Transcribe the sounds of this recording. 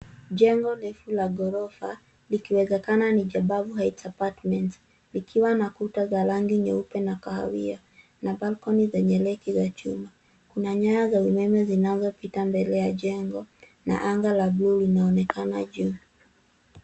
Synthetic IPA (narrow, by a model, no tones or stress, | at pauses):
d͡ʒɛŋɡɔlɛfulaɡɔɾɔfa̰ | likiwɛzɛkananid͡ʒaɓavuɦaitsapatmɛnts | likʰiwanakutazalaŋɡiɲɛupɛnakaha̰wia | nabalkɔnizɛɲɛlɛkizat͡ʃuma | kunaɲaɾazaumɛmɛzinazɔpitambɛlɛjaʄɛŋɡɔ | na̰ʔaŋɡalablulinaɔnɛkana̰ʄu